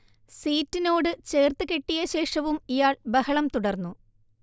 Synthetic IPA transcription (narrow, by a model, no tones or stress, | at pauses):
siːtːino̞ːɽɨt͡ɕe̞ːrt̪ɨke̞ʈːijɐɕe̞ːʂɐʋumijaːɭbɐhɐɭɐmt̪uɽɐrnːu